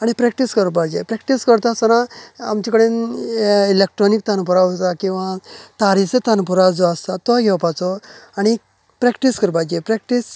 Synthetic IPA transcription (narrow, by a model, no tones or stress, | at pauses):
aɽ̃ipɾɛk̚ʈiskəɾpad͡ʑepɾɛkʈiskəɾt̪asənaa̰mt͡ɕikəɽen | ilek̚ʈɾɔnik̚t̪ʰanpuɾaɔt̪akĩw̃ʋãt̪aɾiset̪ʰanpuɾad͡zɔəst̪at̪ɔʋaɡʱɛʋpat͡sɔaɽ̃i | pɾɛkʈiskəɾpad͡ʑepɾɛk̚ʈis